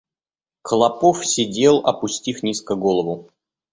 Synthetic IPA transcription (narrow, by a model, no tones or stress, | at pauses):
kəlˠɐpofsʲɪdʲe̞lˠɐ̰pʊsʲtʲifnʲiskəɡolˠəvʊ